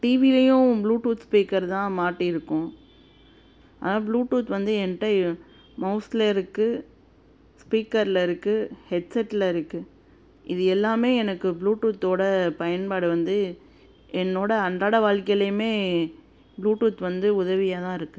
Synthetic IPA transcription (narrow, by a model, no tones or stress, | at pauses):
ʈiːʋilɐjʊ̃bluːʈuːt̪spiːkɐɾt̪ãːmaːʈːɪɪɾɯkːʊ̃ | a̰ːnãːbluːʈuːt̪ʋɐnd̪ɯɛnɐʈːɐ | mɐʊslɐɪɾɯkːɯ | spiːkɐɾɪlɐɪɾɯkːɯhɛɖsɛʈːɪlɐɪɾɯkːɯ | ʔɪðɯɛlːaːmeːɛnɐkːɯbluːʈːuːt̪ːoːɽɐpɐjɐnpaːɽɯʋɐnd̪ɯ | ɛnːoːɽɐɐndraːɽɐʋaːɻkɐjlɐjɯmeː | bluːʈuːt̪ʋɐnd̪ɯʊðɐʋɪjaːt̪ãːɪɾɯkːɯ